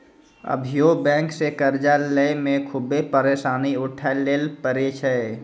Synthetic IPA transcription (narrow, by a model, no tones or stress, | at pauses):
ə̰bʱijobɛ̃ːŋksekəɾd͡ʒaləjmẽkʰʊbepəɾeːsaːniʊʈʰaleːlpəɾet͡ʃʰəe